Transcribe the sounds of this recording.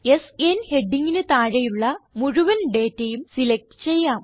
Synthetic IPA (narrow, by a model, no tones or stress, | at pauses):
e̞senhe̞ɖːiŋɡinɨt̪aːɻɐjuɭːɐmuɻuʋɐnɖe̞ːtːejumsilek̚ʈɨ̥t͡ɕe̞jːaːm